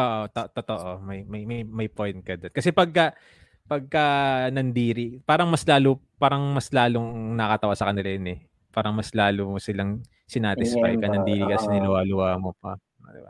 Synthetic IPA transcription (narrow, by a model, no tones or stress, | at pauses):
ʔoːʔot̪oʔt̪ot̪oʔomɐjmɐjmɐjmɐjpojnt̪̚kɐd̪onkɐsɛpɐɡ̚kɐ | pɐɡ̚kɐnɐnd̪iːɾipaːɾɐŋmɐslaːlopaːɾɐŋmɐslaːloŋnɐkɐt̪ɐwasɐkɐnɪlajɐnɛ | paːɾɐŋmɐslaːlosɪlɐŋ | sɪnaːt̪ɪsfa̰jkɐnɐnd̪iːɾikɐsɪnɪnʊwaːlʊwaːmopɐ | ʔo̰d̪ɪ̰ba